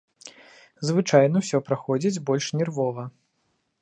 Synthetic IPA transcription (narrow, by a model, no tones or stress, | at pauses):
zvɨt͡ʂajnɐwsʲɔpɾaxɔd͡zʲid͡zʲbɔlʲʂnʲɛrvɔvɐ